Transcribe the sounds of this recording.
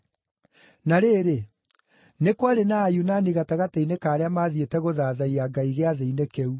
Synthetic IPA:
naɾeːɾe | nekwaɾenaːjunaniɣataɣatainekaːɾeamaðietɛɣoðaːðaiaɡaiɣeaðeinekeu

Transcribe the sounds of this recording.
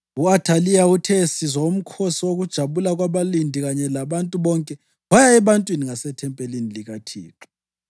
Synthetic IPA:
uatʰalijautʰɛsizaum̩kʰosioɣud̥ʒ̥ʱaβulaɣwaβalindʱiɣaɲɛlaβantʼuβɔŋkʼɛ | βajaɛβantʼwiniŋasɛtʰɛmpʼeliniliɣatʰḭːǁi

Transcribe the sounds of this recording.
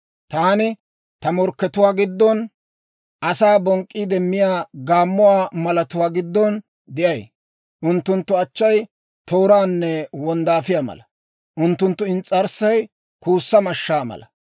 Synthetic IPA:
t̪aːnɪ | t̪ɐmɔɾkːɛt̪ʊwaːɡɪd̪ːɔn | ʔɐsaːbɔŋkʼːiːd̪ɛmːɪjaːɡaːmːʊwaːmɐlɐt̪ʊwaːɡɪd̪ːɔn | d̪ɪʔɐj | ʔʊnt̪ːʊnt̪ːʊɐt͡ʃːɐj | t̪oːɾaːnːɛwɔnd̪aːfɪjaːmɐ̰lɐ | ʔʊnt̪ːʊnt̪ːʊɪnt͡sʼːɐɾsɐj | kuːsːɐmɐʃːaːmɐ̰lɐ

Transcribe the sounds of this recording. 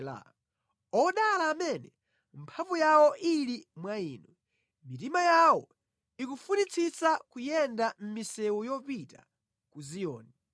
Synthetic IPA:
la̰ | ɔɗalaːmɛnɛ | mpʰaɱvujawɔʔilimwaiːnɔ | mitimajawɔ̰ | ikufunit͡sʰit͡sakujɛndam̩misɛwujɔpita | kuzijɔ̰ːnɛ

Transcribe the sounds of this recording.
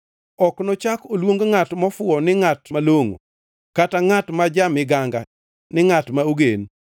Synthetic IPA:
ɔknɔt͡ʃakolwoŋɡŋatmɔfʊɔnɪŋatmaloŋo̰ | kataŋatmad͡ʒamɪɡaŋɡa | nɪŋatmaoɡen

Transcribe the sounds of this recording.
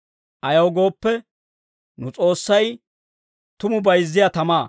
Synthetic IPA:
ʔɐjɐwɡo̞ːpːɛ | nʊt͡sʼo̞ːsːɐj | t̪ʊmʊbɐjzːɪjat̪ɐmaː

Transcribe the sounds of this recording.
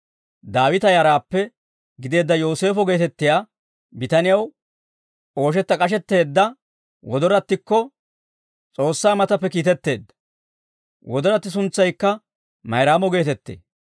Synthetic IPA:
d̪aːwɪt̪ɐjaːɾaːpːɛ | ɡɪd̪e̞ːd̪ːɐjoːse̞ːfɔɡe̞ːt̪ɛt̪ːɪjaː | bɪt̪ɐnɪjɐw | o̞ːʃ̬ɛt̪ːɐkʼɐʃ̬ɛt̪ːe̞ːd̪ːɐ | wɔd̪ɔɾɐt̪ːɪkːɔ | t͡sʼo̞ːsːaːmɐt̪ɐpːɛkiːt̪ɛt̪ːe̞ːd̪ːɐ̥ | wɔd̪ɔɾɐt̪ːɪs̬ʊnt͡sːɐjkːɐ | mɐjɾaːmɔɡe̞ːt̪ɛt̪ːḛː

